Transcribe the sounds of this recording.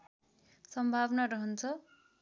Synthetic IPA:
sʌmbʱabnaɾʌɦʌnt͡sʰʌ

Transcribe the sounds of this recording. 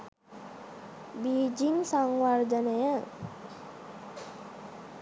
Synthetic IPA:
biːd͡ʒiŋsaŋʋard̪ənəjə

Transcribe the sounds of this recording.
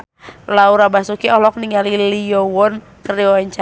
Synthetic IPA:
lauɾabasukiɔɦlɔk̚niŋaliliɔwɔn | kəɾiɔɛɲt͡ʃa

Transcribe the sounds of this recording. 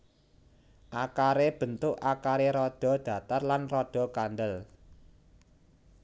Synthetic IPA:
ʔakaɾeb̥ə̤nt̪ʊʔakaɾeɾɔɖ̪̥ɔ̤d̪̥ä̤t̪ərlanrɔɖ̪̥ɔ̤kanɖ̪əl

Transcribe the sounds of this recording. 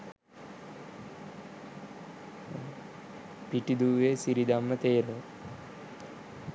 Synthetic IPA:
piʈid̪uːʋesiɾid̪amːɐt̪eːɾo

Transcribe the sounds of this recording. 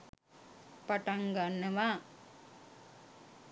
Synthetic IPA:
pɐʈɐŋɡanːɐʋa

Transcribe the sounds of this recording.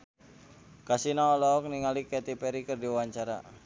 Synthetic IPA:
kasinaɔlɔɔk̚niŋalikɛt̪ipɛɾikərdiwaɲt͡ʃaɾa̰

